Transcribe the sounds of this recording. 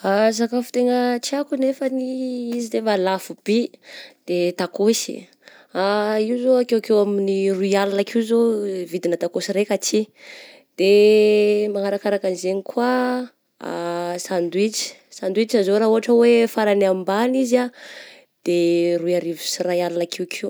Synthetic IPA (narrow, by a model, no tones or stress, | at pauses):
as̬akafu̥t̪eŋət͡ʃiakunefəniizid̪evalafub̥id̪̥et̪akosḭ | aiwzoakewkewaminiruialanakʰiuzovid̪inət̪akosiɾekat͡si | d̪̥e | maŋaɾakaɾakanizenikʰwa | a̰sand̪wit͡si̥ | sand̪wit͡ʃazoɾauaʈ͡ʂəwefaɾanambaniza | d̪̥eruiaɾivu̥sirajalunakʰewkʰew